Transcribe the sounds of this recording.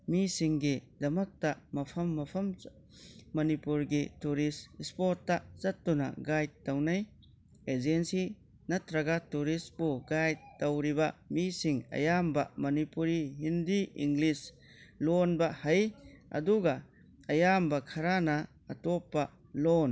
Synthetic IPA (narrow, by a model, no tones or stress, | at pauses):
misiŋɡidɐmɐk̚tamɐpʰɐmːɐpʰɐm | mɐnipuɾɡituɾisspɔtːazɐt̚ːuna̰ɡajd̚ːawnaj | ezensi | nɐtɾɐɡatuɾisbuɡajd̚ːawɾibamisiŋɐ̰jambamɐnipuɾiɦindiḭŋɡlis | lonbahajɐ̰duɡa | ɐjambakʰɐɾanɐ | ɐtɔpːa | lon